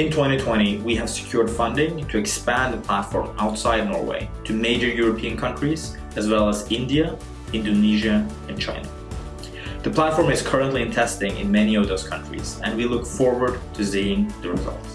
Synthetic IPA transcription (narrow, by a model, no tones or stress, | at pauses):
ɨ̃ntʰw̥ɛ̃ɾ̃itʰw̥ɛ̃ɾ̃iwiɨv̥sɨ̥kʰj̥ʊɹd̥fʌ̃ndɪ̃ŋtʰɨɨkspæ̃nðɨpʰl̥ætfɔ̰ɹmaʊtsaɪdⁿnɔ̰ɹwḛɪɾʰɨmeɪd͡ʒə˞jʊɹəpʰiɨ̃nkʰʌ̃nt͡ʃɹ̥iz̥ | ɨzwɛlˠəzɪ̃ndiɨ | ɪ̃ndoniʒɨ | ɨ̃nt͡ʃʰã̰ɪ̃nə | ðɨpʰl̥ætfɔɹmɨz̥kʰɜ˞ə̃ntˡliɨ̃ntʰɛstɪ̃ŋɨ̰̃nmɛñiʌvðoʊz̥kʰʌ̃nt͡ʃɹ̥ḭz̥ɨ̰̃nwilʊkfɔɹwə˞d̚tʰɨsiɪ̃ŋðɨɹɨzʌ̰lˠts